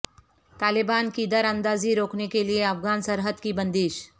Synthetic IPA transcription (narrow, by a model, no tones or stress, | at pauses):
t̪aːlɪbaːnkid̪ɐɾɐ̃nd̪aːziɾoːknekelieɐfɡaːnsəɾɦəd̪kibɐ̃nd̪iːʃ